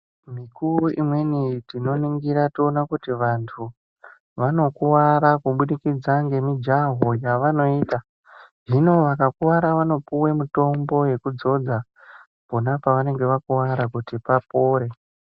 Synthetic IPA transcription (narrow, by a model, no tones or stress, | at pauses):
mikuuimwe̞nitino̞niŋɡiɾationakutiʋantʰu | ʋano̞kuwaɾakuɓuɗikid͡zaŋɡe̞mid͡ʒaɦo̞jaʋano̞iːta | ʐino̞ʋakakuwaɾaʋano̞puwe̞muto̞mbo̞je̞kud͡zo̞d͡za | po̞napaʋane̞ŋɡe̞ʋakuwaɾakutipapo̞ːɾe̞